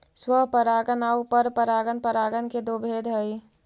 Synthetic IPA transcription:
swəɦpəɾaːɡənaupəɾpəɾaɡənpəɾaɡənked̪obʱed̪ʱɦəj

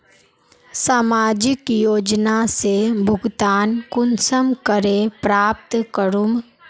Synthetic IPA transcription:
saːmaːd͡ʒɪkjoːd͡ʒnasebʱʊɡt̪aːnkʊnsəmkəɾepɾaːp̚t̪kəɾum

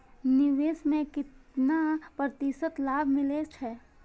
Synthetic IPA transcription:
nɪʋeːsmẽkɪt̪napɾət̪isət̪laːbʱmɪleːt͡ʃʰɛː

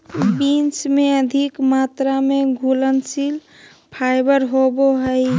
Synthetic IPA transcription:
bint͡ʃmeəd̪ʱikmat̪ɾameɡʱulənsil | pʰajbəɾɦoboɦəɪ

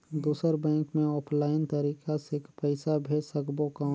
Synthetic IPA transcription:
d̪uːsəɾbɛ̃ːŋkmẽɔːpʰlaːɪnt̪əɾiːkasekpɛɪsabʱeːsɐkboka

